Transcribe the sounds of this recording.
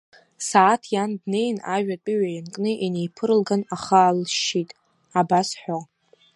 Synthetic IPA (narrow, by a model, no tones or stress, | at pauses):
saːtʰjandne̞jnaʒᶣat͡pʷʼiɥʷajankʼnɨʔinejpʰɨɾɨlɡanaχaːlʃitʼ | abasħʷᶣo